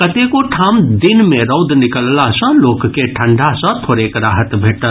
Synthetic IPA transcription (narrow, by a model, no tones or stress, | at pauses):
kɐt̪ekoʈʰaːmd̪ɪnmẽɾɐʊd̪nɪkəllasɐ̃loːkkeʈʰə̃ɳɖʱasə̃t̪ʰoːɾeːkɾaːɦət̪bʱeːʈə